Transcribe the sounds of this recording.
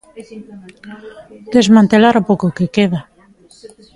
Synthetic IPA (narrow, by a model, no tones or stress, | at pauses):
d̪̥ezmãnt̪elaɾopowkokekeða